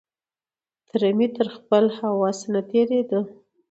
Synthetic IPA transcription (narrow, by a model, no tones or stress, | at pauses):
t̪ɾamit̪əɾxpəlhawɑsənat̪eɾed̪ə